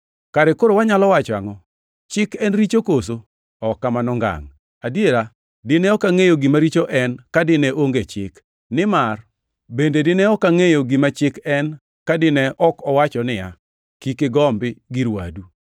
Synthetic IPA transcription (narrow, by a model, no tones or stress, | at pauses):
kaɾɪkoɾowaɲalɔwat͡ʃa̰ŋɔ | t͡ʃɪkɛnɾit͡ʃokoso | ɔkːamanɔŋɡa̰ŋ | adjeɾa | dɪnɛɔkaŋejoɡimaɾit͡ʃoʔɛnkadɪnɛʔoŋɡet͡ʃɪ̰k | nɪmar | bendedɪnɛɔkaŋejoɡimat͡ʃɪkɛn | kadɪnɛʔɔkɔwat͡ʃɔnɪja̰ | kikɪɡɔmbɪɡɪɾwa̰du